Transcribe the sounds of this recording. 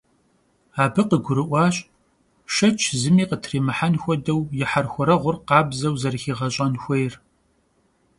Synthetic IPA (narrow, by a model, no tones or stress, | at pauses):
aːbɨqəɡʷʊɾɨʔʷɑːɕʼ | ʃɐt͡ʃʰzɨmiːqətʰriːmɨħanxʷɔdɐwjɪħarxʷɔɾɐʁʷʊrqɑːbzɐwzɐrxiːʁɐɕʼɐnxʷɔjr